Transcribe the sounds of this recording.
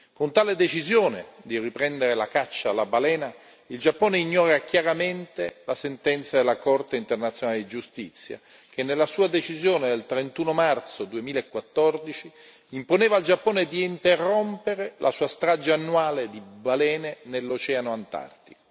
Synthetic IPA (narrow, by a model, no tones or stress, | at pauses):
kont̪aːled̪et͡ʃizjoːnḛd̪iripɾɛnd̪eɾelakat͡ʃːaːlabalɛːna | ild͡ʒapːoːneiɲːɔːɾakjaɾament̪elasent̪ɛnt̪sad̪elːakɔrt̪eint̪ernat̪sjonaled̪id͡ʒust̪it̪sːja̰ | kenːelːasuːad̪et͡ʃizjoːned̪elt̪ɾent̪uːnomart̪sod̪uemiːlaekːwat̪ːɔrd̪it͡ʃi | imponeːvald͡ʒapːoːned̪iint̪erːompeɾelʔasuːast̪ɾad͡ʒaːnːuwaːled̪ibalɛːnenelːot͡ʃɛːanoant̪a̰rt̪i